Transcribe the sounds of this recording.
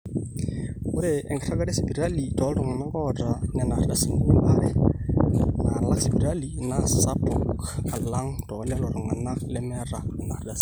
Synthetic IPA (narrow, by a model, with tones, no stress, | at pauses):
ʊ˦ɾe˨ɛ˨ŋɡa˨ra˦ɡa˦de˦si˨bi˨ɾa˦li˨tɔ˨ɔ˦lɾʊ˨ŋa˨na˦ŋɡɔ˦˨da˨nɛ˨na˨ɾda˨si˨mu˦ma˦ɾɛ˨ | ma˨la˦ksi˨bi˨ɾa˦li˨na˦sa˦pɔ˨kkka˨lla˦ŋtɔ˨a˦li˦a˦lɔ˦ɾɔ˨ŋa˨na˦lɛ˦mɛ˦ɾa˨nɛ˨na˨ɾɡa˨s